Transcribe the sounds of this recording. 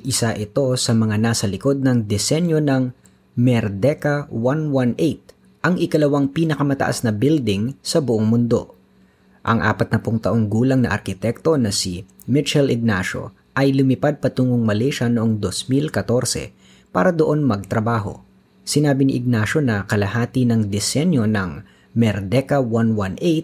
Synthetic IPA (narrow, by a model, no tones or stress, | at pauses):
ʔɪsaʔɪt̪o̞sɐmɐŋanaːsɐlɪko̞d̪̚nɐŋd̪ɛsɛnjo̞nɐŋ | mɛɾd̪ɛkɐwanwanʔejt̪̚ | ʔɐŋʔɪkɐlɐwaŋpiːnɐkɐmɐt̪ɐ̰ʔa̰snɐbɪld̪ɪŋsɐbʊʔoŋmʊnd̪o̞̰ | ʔɐŋʔa̰ːpɐt̪̚nɐpʊŋt̪ɐʔo̞ŋɡuːlɐŋnɐ̰ʔɐ̰ɾkɪt̪ɛk̚t̪o̞nɐsi | mɪt͡ʃɛlɪɡ̚naʃo̞̰ | ʔɐjlʊmɪpad̪̚pɐt̪uːŋoŋmɐlɛʃɐnoʔoŋd̪osmilkɐt̪o̞ɾsɛ̰ | pa̰ːɾɐd̪oʔo̞nmɐɡ̚t̪ɾɐbaːɦo̞̰ | sɪnaːbɪnɪʔɪɡ̚naʃo̞nɐkɐlɐhaːt̪ɪnɐŋd̪ɛsɛnjo̞nɐŋ | mɛɾd̪ɛkɐwanwanʔejt̪̚